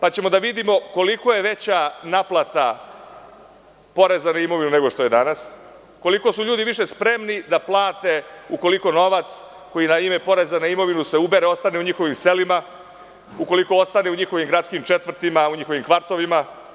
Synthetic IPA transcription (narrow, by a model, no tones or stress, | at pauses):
pat͡ɕe̞mo̞d̪aʋid̪imo̞ko̞liko̞je̞ʋe̞t͡ɕanaplˠat̪a | po̞ɾezanaimo̞ʋinune̞ɡo̞ʃt̪o̞jed̪anas | ko̞liko̞suʎuːd̪iʋiʃespɾe̞mnid̪aplˠaːt̪e̞uko̞liko̞no̞ʋat̪s | ko̞jinaime̞po̞ɾe̞zanaimo̞ʋinuse̞ube̞ɾeo̞st̪aneuɲixo̞ʋimse̞lima | ukoliko̞ost̪ane̞uɲixo̞ʋimɡɾat̪skimt͡ʃe̞t̪ʋvr̩t̪imauɲixoʋimkʋaɾt̪o̞ʋima